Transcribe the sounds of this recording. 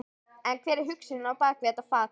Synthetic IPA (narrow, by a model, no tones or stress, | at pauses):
ɛnkʰvɛːɾɪɾɦʏksɪnɪnaapaːɾakvɛːt̪afaːt